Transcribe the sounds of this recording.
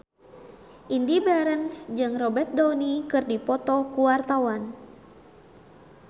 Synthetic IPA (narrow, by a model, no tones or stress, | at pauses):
ʔindibɛɾənsd͡ʒɨŋrɔbɛrt̪̚dɔnikɨrdipɔt̪ɔkuwart̪awan